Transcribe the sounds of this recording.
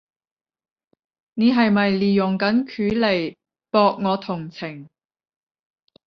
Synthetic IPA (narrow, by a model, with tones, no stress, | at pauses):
ne˨˧˥ɦɐ˨jmɐ˨jliː˨jʊ˨˩ŋkɐ˨˥nkʰyː˨˥le˨˩j | pɔː˧k̚ŋɔː˨˧t̪ʰʊ˨˩ŋt͡sʰɪ˨˩ŋ